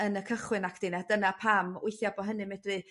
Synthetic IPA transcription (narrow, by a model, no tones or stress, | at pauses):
ənəkʰəχwɨnakʰd̥ɪnadənapʰamʊɬjabɔɦənɨmɛdrɨ